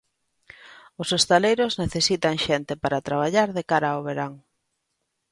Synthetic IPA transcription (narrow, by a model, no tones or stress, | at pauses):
ʊsest̪alejɾʊzneθesit̪aŋʃɛnt̪ɪpaɾat̪ɾaβ̞aʎaɾðekaɾaoβeɾaŋ